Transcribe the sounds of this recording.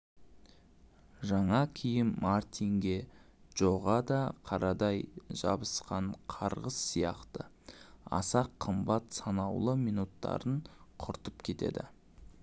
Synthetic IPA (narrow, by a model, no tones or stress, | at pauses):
ʒɑɴɑkʲʰijɪmmart̪iŋɡʲe̞ | ʒ̥oʁɑd̪ɑqʰɑɾɑd̪ɑjʒɑ̰bəsqɑɴqʰɑɾʁəsːijɑ̰qt̪ə | ɑ̰sɑqʰːəmbɑt̪sɑnɑwlˠəmijnut̪ːɑ̰ɾəɴqʰʊɾt̪əpkʲʰe̞t̪e̞̰d̪ɪ